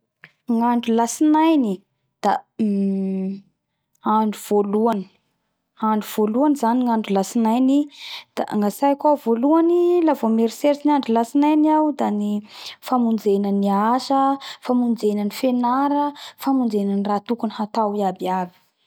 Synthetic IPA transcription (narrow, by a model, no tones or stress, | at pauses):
ŋaɳɖ͡ʐulasinajni | d̪̥a | aɳɖ͡ʐuv̥oluani̥ | aɳɖ͡ʐuv̥oluanizaniŋaɳɖ͡ʐulasinajnid̪̥a̰ʔŋasajakʲwavoluanilavomeɾiseɾt͡sinaɳɖ͡ʐulasinajniawd̪anifamund͡zenəniaʃəfamund͡zenənifenaɾəfamund͡zenənirat̪ukunihat̪awiabiabi̥